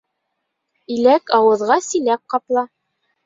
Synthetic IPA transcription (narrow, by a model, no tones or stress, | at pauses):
ilækɑwɤ̆ðʁɑsĭlæp̚qɑplˠɑ